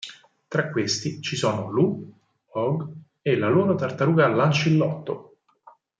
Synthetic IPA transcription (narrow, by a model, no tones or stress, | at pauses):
t̪ɾakːwest̪it͡ʃisɔːnolu | ɔɡ | elːaloːɾot̪art̪aɾuːɡalːant͡ʃilːɔt̪ːo